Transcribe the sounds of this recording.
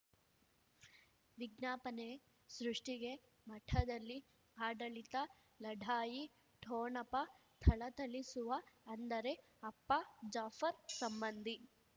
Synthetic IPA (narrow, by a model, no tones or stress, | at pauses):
ʋiɡ̚naːpɐne | sɾuʂʈiɡe̞ | mɐʈʰɐd̪ɐlːi | aːɖɐɭit̪ɐ | lɐɖʱaːji | ʈʰoːnɐpːɐ | t̪ʰɐɭɐt̪ɐlisuʋɐːnd̪ɐɾe̞ | ɐpːɐd͡ʒaːfɐɾsɐmbɐnd̪ʱi